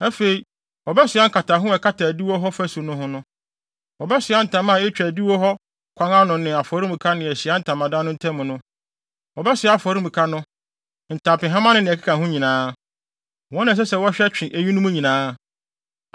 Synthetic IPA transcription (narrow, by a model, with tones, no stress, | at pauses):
ɛ˦fe˨i˨ | ɔ˨bɛ˦sɪ˨˦a˦ŋ̩˨kʰa˨ta˨ɦʊ̃˦ɛ˨kʰa˦tʰa˨æ˨di˦wo˦ɦɔ˦fæ˦su˨nʊ̃˦hʊ̃˦nʊ̃˦ | ɔ˨bɛ˦sɪ˨a˦n̩˨tʰã˨mã˦˨e˦t͡ɕᶣæ˨di˦wo˦ɦɔ˦ | kʷʰã˦ŋã˦nʊ̃˨nɪ̃˨a˨fɔ˨ɾi˦mũ˨kʰa˦nɪ̃˨ɛ˨ɕɪ˨a˦n̩˦˨tʰã˨mã˨dã˦nʊ̃˦n̩˦tʰɛ̃˦mʊ̃˨nʊ̃˦ | wɔ˨bɛ˦sɪ˨˦a˨fɔ˨ɾi˦mũ˨kʰa˦nʊ̃˦ | n̩˨tʰã˨pɪ̃˨ɦã˦mã˦nʊ̃˦nɪ̃˨kʰḁ˦kʰã˨ɦʊ̃˦ɲĩ˨nãː˨˦ | wɔ̃˦nã˨s̬ɛ˦sɛ˨wɔ˦ɕᶣɛ˦t͡ɕᶣɪ̃˨ʔæ˨ɲi˦nʊ̃˦mũ˦ɲĩ˨nãː˦